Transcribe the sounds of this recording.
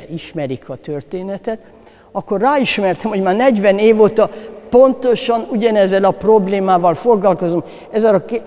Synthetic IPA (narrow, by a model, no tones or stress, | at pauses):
iʃmɛɾikʰɒt̪ørt̪eːnɛt̪ɛt̪ | ɒkːorraːiʃmɛrt̪ɛmho̞ɟmaːrnɛɟʋɛneːvoːt̪ɒpo̞nt̪o̞ʃɒnuɟɒnɛzːɛlɒpro̞bleːmaːvɒlfo̞ɡlɒlko̞zom | ɛzɛlɒk